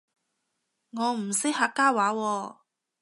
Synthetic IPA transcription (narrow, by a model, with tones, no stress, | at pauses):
ŋɔː˨˧˥m̩˨˩sɪ˥k̚haː˧kːaː˥waː˨˥wɔː˧